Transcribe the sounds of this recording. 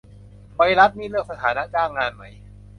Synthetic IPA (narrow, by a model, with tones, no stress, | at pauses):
pa˧jɾa˦˥t̪̚niː˥˩lɯ˥˩ək̚sa˧t̪ʰaː˩˦na˦˥t͡ɕaː˥˩ŋːaː˧nma˦˥j